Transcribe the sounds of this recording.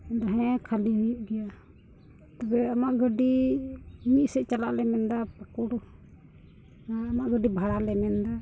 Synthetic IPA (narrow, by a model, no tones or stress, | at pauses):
d̪aɦɛ̃kʰaliɦujuʔɡɛja | t̪abɛamaʔɡəɖi | miʔ̪̚sɛʔt͡ʃala̰ʔlɛmɛnd̪apakuɽ | maʔɡəɖibʱaɽalɛmɛnd̪a